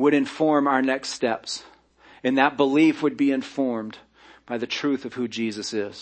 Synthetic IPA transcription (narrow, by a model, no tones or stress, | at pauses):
wəɾɨ̃ɱfɔɹmaʊə˞nɛkststɛps | ɨ̃nðɨt̚b̥əlifwəd̚biɨ̃ɱfɔɹm | b̥aɪðɨtʰɹ̥ʉθʌv̥hʉd͡ʒizɨsɪz̥